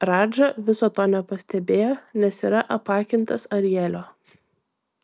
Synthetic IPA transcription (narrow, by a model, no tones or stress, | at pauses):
ɾɑːd͡ʒɐʋʲɪsoːt̪oːnʲɛpɐsʲt̪ʲɛbʲeːjoːnʲɛsiːɾɐʔɐpɑːkʲɪnt̪ɐsɐɾʲɪjɛlʲoː